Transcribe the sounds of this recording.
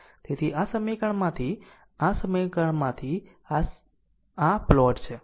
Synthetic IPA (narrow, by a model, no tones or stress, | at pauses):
t̪et̪ʰiʔasəmekəɳ̃mãt̪ʰi | ãsəmekəɳmãt̪ʰi | a | aplɔʈt͡ʃʰe